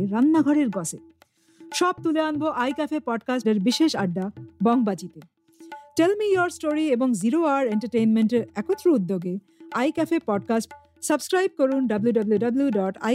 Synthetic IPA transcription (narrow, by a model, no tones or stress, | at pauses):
ɾanːaɡʱɔɾeɾɡɔse | ʃɔb̚t̪uleanboʔajkɛfʰepɔɖkasʈeɾbiʃeʃaɖːabɔŋbad͡ʑit̪e | ʈelmijoɾsʈoɾieboŋziɾoaɾeɳʈaɾʈejnmenʈeɾɛkot̪ːɾoud̪ːoɡe | ajkɛfepɔɖkasʈ | səbskɾajb̚koɾunɖʌbluɖɐbluɖɐbljuɖɔʈa̰